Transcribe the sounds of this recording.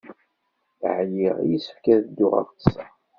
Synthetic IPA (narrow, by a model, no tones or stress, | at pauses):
ʕjiʁjisə̥fkæðd̪ːʊʁa̰ft̪ə̥sæ